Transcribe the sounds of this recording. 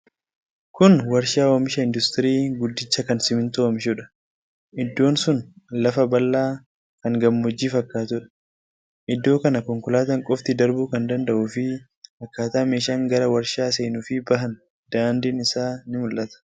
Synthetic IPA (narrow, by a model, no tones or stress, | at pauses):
kʊnwɐɾʃaːwɐmɪʃɐɪnd̪ʊst̪ɪɾiːɡʊd̪ːɪt͡ʃːɐkɐnsɪmɪnt̪omɪʃuːᶑɐ̥ | ʔɪd̪ːo̞ːnsʊnlɐfɐbɐlːaː | kɐŋɡɐmːɔd͡ʒːiːfɐkːaːt̪ʊᶑɐ̥ | ʔɪd̪ːo̞ːkɐnɐkɔŋkʊlaːt̪ɐŋkʼɔft̪ɪd̪ɐɾbuːkɐnd̪ɐnd̪ɐʔuːfɪ | ɐkːaːt̪aːmeːʃaːŋɡɐɾɐwɐɾʃaːs̬e̞ːnuːfɪbɐɦɐn | d̪̥aːnd̪ɪːnɪsaːnɪmʊlːɐt̪ɐ̥